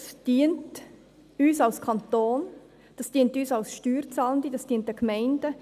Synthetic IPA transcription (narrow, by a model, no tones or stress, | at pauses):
sd̥iənt | yːsɑlskʰɑnt̪oːn | d̥ɑsd̥iəntyːsɑlsʃtyːɾt͡sɑːləndidɑsd̥iənt̚d̥əkmɛɪndə